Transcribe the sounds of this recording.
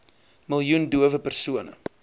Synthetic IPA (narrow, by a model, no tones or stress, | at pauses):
məlˠjunduəvəpərsuənə̰